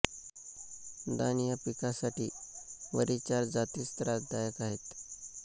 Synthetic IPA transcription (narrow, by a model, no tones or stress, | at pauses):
d̪anijapikasaʈiːʋə̰ɾit͡ɕaɾd͡zat̪iːst̪ɾad̪ajəkaɦet̪